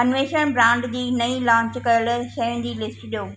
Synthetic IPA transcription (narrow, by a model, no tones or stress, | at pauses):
ɐnʋeːʃənbɾãːɳɖd͡ʑiːnɐilãːɲt͡ɕkɐəɽʃɐɪñd͡ʑiːlɪsʈɗijoː